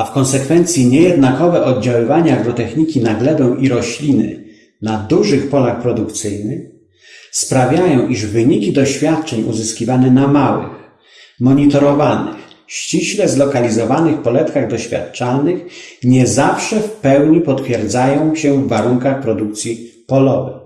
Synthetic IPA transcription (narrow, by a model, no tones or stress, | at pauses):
afkɔ̃nsɛkfɛnt̪sʲjiɲɛjɛd̪nakɔvɛʔɔd̪̚d͡ʑawɘvaɲaːɡɾɔt̪ɛxɲikʲinaɡlɛd̪ɛw̃ʔiɾɔɕlʲinɘ̰ | nad̪uʐɘxpɔlaxpɾɔd̪ukt̪sɘjnɘx | spɾavʲjajɔ̃w̃ʔiʐvɘɲikʲid̪ɔɕfʲjat̪̚t͡ʂɛɲuzɘskʲivanɛnamawɘ̰x | mɔɲit̪ɔɾɔvanɪ̰x | ɕt͡ɕiɕlɛzlɔkalʲizɔvanɘxpɔlɛt̪kaɣd̪ɔɕfʲja̰t̪̚t͡ʂalnɘxɲɛzafʂɛfpɛwɲipɔt̪fʲjɛɾd̪zajɔ̃w̃ɕɛvːaɾuŋkaxpɾɔd̪uk̚t̪sʲji | pɔlɔvɛ̰